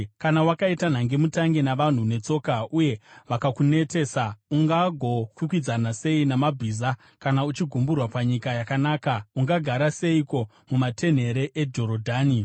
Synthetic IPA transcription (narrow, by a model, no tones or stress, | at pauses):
kanawakaitan̤aŋɡe̞mutaŋɡe̞naʋan̤une̞t͡so̞ːkaʔuje̞ʋakakune̞te̞ːsauŋɡaɡʱo̞kukwid͡zanase̞inamabʱiːza | kanaut͡ʃiɡʱumburwapaɲikajakanaːkauŋɡaɡʱaɾase̞iko̞ | mumate̞n̤e̞ɾe̞ʔed͡ʒo̞ɾodʱaːni